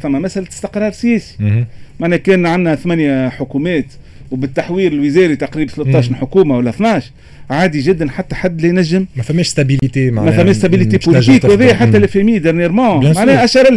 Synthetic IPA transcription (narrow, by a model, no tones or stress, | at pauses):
fæmːæmæsʔælt̪ɪ̥st̪ɪqɾˤɑːɾˤsɪjɛːsi̥maʕnɛːkɛːnʕanːæθmænjæħʊkumɛːt̪ | wbɪt̪ːaħwiːɾɪlwɪzɛːɾit̪aqɾiːbθlʊt̪ːɑːʃnħʊkuːmawælːæθnɑːʃ | ʕaːd̪iʒɪd̪ːænħat̪ːæħad̪ːlɛjnæʒːəmmɛfæmːɛːʃst̪abilit̪emaʕmɛfæmːɛːʃst̪abiliepʊliiːkwhɛðɛjːæħat̪ːælæfɛmiːd̪ɪɾnjɛɾmɑ̃ːmmaʕnɛːʔæʃɑɾˤɪl